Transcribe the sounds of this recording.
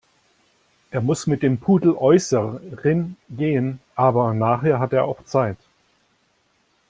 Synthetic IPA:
ʔeːɐmʊsmɪt̚d̥eːmpʰuːdl̩ʔɔʏsəʁɪnɡeːənʔaːbɐnaːχɦeːɐɦateːɐʔaʊxt͡saɪt

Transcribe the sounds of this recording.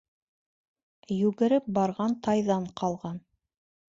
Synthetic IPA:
jʉɡɘ̆ɾɘp̚bɑɾʁɑnt̪ʰɑjðɑɴqʰɑlˠʁɑn

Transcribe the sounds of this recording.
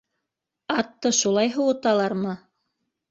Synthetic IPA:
ɑt̪ːɤʃulˠɑjɦɤ̆wɤ̆t̪ɑlˠɑɾmɤ

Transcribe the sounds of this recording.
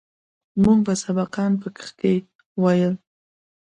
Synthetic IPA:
muɡbasabaqɑnp̬əkə̥xke | wajəl

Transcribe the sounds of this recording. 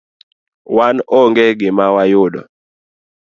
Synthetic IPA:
wanɔŋɡɛɡɪmawajʊɗɔ̰

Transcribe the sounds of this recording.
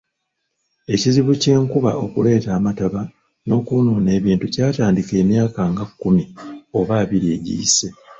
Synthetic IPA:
e̞ciziβuce̞ːŋkuβaʔo̞kule̞ːtaːmataβa | no̞ːkunoːne̞ːβiːntucaːtaːndike̞ːmjaːkaŋɡakːumio̞βaːβiɾie̞ɟḭːse̞

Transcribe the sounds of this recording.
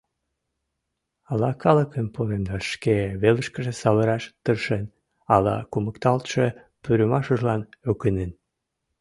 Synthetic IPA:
ɑlɑkɑləkənpoɾenvɑʃkeβeləʃkə̆ʒesɑβə̆ɾɑʃt̪ərʃen | ɑlɑ̰kuməkt̪ɑlt̪ʃe | pyɾəmɑʃuʒlɑnøkənen

